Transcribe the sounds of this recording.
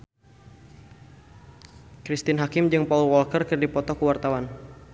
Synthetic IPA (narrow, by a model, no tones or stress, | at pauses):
kɾist̪ɪnɦakɪmd͡ʒɨŋpaulwɔlkərkɨrdipɔt̪ɔkəwart̪awan